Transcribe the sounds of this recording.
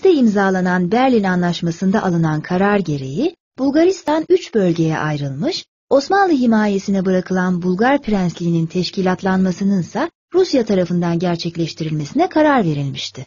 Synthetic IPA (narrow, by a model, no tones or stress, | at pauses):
d̪ɛimzaːlˠananbæɾlʲinanlˠaʃmasɯnd̪aʔalˠɯnankʰaɾaɾɟe̞ɾe̞̰ji | b̥ulˠɡaɾist̪ʰanyt͡ʃbø̞lʲɟe̞jɛ̰ʔajɾɯlˠmɯʃ | o̞smanlˠɯɦimaːje̞sinɛbɯɾakʰɯlˠanbulˠɡaɾpɾænslʲiːnint̪ʰɛʃcʰilʲat̪lˠanmasɯnɯnsa | ɾusjat̪ʰaɾafɯnd̪anɟæɾt͡ʃʰɛclʲɛʃt̪ʰiɾilʲme̞sinɛkʰaɾaɾve̞ɾilʲmiʃt̪ʰɪ